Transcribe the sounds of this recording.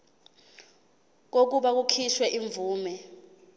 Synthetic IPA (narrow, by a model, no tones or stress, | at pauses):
k̬ok̬uɓak̬ukʰiʃwɛʔiɱb̪vuːmɛ